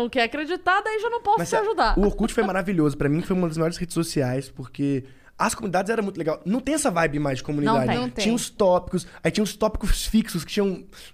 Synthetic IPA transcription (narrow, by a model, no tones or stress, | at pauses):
ɐ̃w̃kɛakɾed͡ʒit̪ad̪aiʒanɐ̃w̃pɔsmɐssaʒud̪aʊoɾkut͡ʃɪ̥fojmaɾaviʎozʊpɾɐmĩfojumɐd̪ɐzmajɔɾɪshed͡ʒɪ̥sosiajspoɾke | ɐskomũnid̪ad͡ʒɪzɛɾɐmũt̪ʊleɡawnɐ̃w̃t̪ẽj̃ɛsɐvajbɪmajzd͡ʒɪkomũnĩd̪ad͡ʒɪ̃t͡ʃĩɲɐ̃ʊst̪ɔpi̥kʊsait͡ʃĩɲɐ̃ʊst̪ɔpi̥kʊssfiksʊskɪ̥t͡ʃĩɲ̃ɐ̃w̃